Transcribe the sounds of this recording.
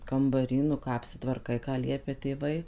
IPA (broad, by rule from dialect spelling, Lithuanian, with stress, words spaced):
kɐmbɐˈrʲiː nʊ ˈkɑː ɐpʲsʲɪtʋɐrˈkɐɪ kɑː ˈlʲiɛpʲɛ tʲeːˈʋɐɪ